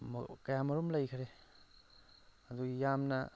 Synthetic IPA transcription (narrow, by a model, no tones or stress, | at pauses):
m̰kɐjamɐɾumlɐjkʰɾe | ɐduɡijamnɐ̰